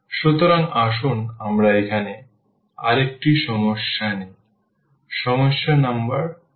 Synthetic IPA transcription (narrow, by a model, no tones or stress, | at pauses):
ʃut̪oɾaŋaʃunamɾaekʰane | aɾek̚ʈiʃɔmoʃːanej | ʃɔmoʃːanambəɾ